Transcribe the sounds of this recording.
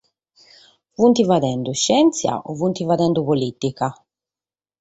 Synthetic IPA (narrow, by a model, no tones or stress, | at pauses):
vunt̪ivad̪ɛnd̪uʃːɛnt̪sja̰ʔɔvunt̪ivad̪ɛnd̪upolit̪ika